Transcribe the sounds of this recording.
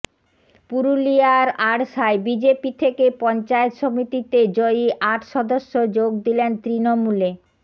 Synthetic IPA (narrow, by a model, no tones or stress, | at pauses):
puɾuliaɾaɽʃaebid͡ʑepit̪ʰekepɔnt͡ɕaet̪ʃomit̪it̪ed͡ʑoiʔaʈʰʃɔd̪oʃːod͡ʑoɡ̚d̪ilent̪ɾinomule